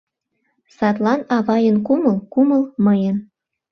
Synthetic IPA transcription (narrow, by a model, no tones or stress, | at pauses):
sɑt̪lɑnɑβɑjənkuməlkuməlməjən